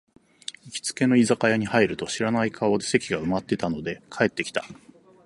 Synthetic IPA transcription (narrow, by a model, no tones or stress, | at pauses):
ikʲi̥t͡sɨ̥ke̞no̞izakajaɲ̟ihaiɾɯ̟t̪o̞ɕiɾanaikʰaod̪ese̞kʲiɡaɯ̟mat̪ːe̞t̪ano̞d̪e̞kʰae̞t̪ːe̞kʲi̥t̪a